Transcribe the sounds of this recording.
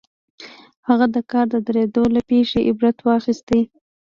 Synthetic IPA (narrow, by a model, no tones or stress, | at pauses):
haɣad̪əkɑɾd̪əd̪əɾed̪olapeʂeʔɪbɾat̪wɑxist̪i